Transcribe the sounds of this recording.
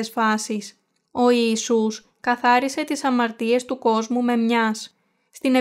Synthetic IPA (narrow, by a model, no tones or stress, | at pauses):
sfɐsis | o̞iːsus | kɐθɐɾise̞t̪isɐmɐɾt̪ie̞st̪uko̞zmume̞mɲɐsː | t̪ine